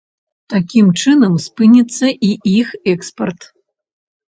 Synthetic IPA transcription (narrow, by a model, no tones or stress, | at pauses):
t̪akʲimt͡ʂɨnɐmspɨnʲit̪sːɐʔiʔixɛkspɐrt̪